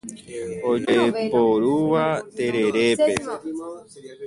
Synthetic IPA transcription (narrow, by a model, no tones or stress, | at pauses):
od͡ʒepoɾuʋat̪eɾeɾepe